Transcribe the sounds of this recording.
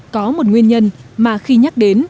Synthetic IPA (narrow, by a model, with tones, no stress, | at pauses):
kɔ˨˦mo˨˩t̚ŋwi˧ənɲə˧nmaː˨˩xi˧ɲa˦˥k̚ɗe˨˦n